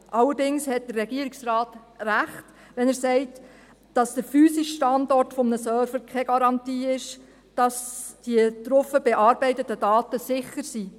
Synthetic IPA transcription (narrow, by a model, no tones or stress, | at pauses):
ʔɑlədɪŋshɛt̚d̥ərɛɡ̥iəɾɪksrɑːtræχt | ʋɛnæɾsɛɪt | d̥ɑsd̥əɾfyːsɪʃʃtɑndɔrtfɔmənəsœːɾfəɾkʰɛɡ̥ɑɾɑntiːɪʃ | d̥ɑsd̥iət̪ɾɔfəb̥ɛʔɑːɾbɛɪtətədɑːtəsɪχəɾsi